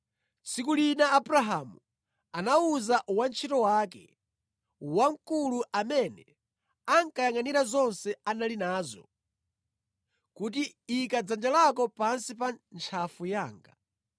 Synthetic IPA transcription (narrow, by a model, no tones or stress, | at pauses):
t͡sikulinaːbɾaɦamu | anauzaʔwant͡ʃʰitɔwaːkɛ̰ | waŋkuluʔamɛnɛ | aŋkajaŋaniɾazɔnsɛanalinaːzɔ̰ | kutiːkad͡zand͡ʒalakɔpansipant͡ʃʰafujaːŋɡa